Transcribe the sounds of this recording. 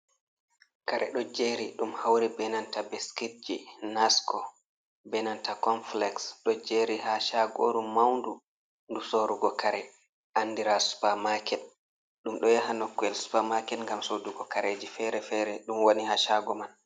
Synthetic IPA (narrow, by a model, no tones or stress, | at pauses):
kaɾɛ̰ɗɔd͡ʒeɾiɗumhawɾibɛnantabeskit̚d͡ʒinaskɔ | bɛnantakɔnflɛksɗɔd͡ʒeɾihaʃaɡoɾummawndu | ndusoɾuɡɔkaɾɛ | ʔanːdiɾasu̥pamakɛt | ɗumɗɔjaɦanɔkːɛlsu̥pamakɛtŋɡamsoduɡɔkaɾeːd͡ʒifɛɾɛfɛɾɛɗumwonihaʃaɡɔman